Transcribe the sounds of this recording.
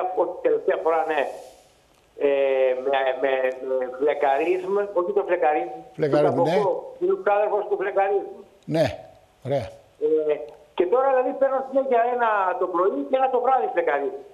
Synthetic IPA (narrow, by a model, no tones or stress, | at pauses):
oçi̥t̪eleft̪iɐfo̞ɾɐne | emememevlekɐɾizmo̞çit̪ovlekɐɾizmleeɐɾɐokoinosinɐðelfo̞st̪uvlekɐɾizum | ne | oɾeɐ | ece̞t̪o̞ɾɐðelɐðipeɾnosineʝɐenɐt̪o̞pɾo̞iceenɐt̪o̞vɾɐðivlekɐɾizm